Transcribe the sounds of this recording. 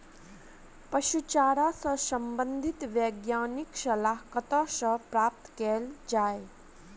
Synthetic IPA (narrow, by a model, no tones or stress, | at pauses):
pəʃut͡ʃaːɾasəsəmbənd̪ʱit̪ʋjeɡjaːniksəlaɦkət̪asəpɾaːp̚t̪keld͡ʒaːe